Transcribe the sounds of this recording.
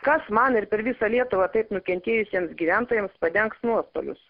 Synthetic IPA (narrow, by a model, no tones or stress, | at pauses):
kɐsmɐnɪɾpʲɛɾʋʲɪsɐlʲiɛt̪ʊʋɑt̪ɐɪpnʊkʲɛnʲt̪ʲeːjʊsʲiɛmsɡʲiːʋʲænt̪oːjɛmspɐd̪ʲɛŋksnuɔst̪o̰ːlʲʊ̰s